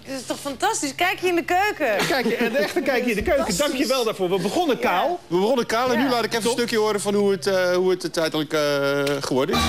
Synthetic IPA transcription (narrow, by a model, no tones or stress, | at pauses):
dɔtɪstɔxfantastiskɛjkjəɪndəkøːkəkɛjknɛxtəkɛjkjəɪndəkøɥkədɑŋkjəʋɛlˠdaːɹfoːɹʋəbəχɔnəkaːlˠʋəbəχonəkaːlˠɛnnylaːtɪkɛfəstøkjəoəɾəfɔnhuəthuətətɛjtələkəχəʋɔrdɪs